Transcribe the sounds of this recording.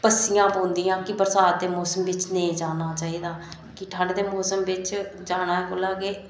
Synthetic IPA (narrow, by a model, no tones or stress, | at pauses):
pəsijãːbõːnd̪iːãːkɪbəɾsaːt̪̚d̪eːmoːsəmʋɪt͡ʃnẽːd͡ʒaːnaːt͡ʃaːiːd̪aː | kiʈʰãːɽd̪eːmoːsəmʋɪt͡ʃd͡ʒaːnaːɛkoːlaːɡeː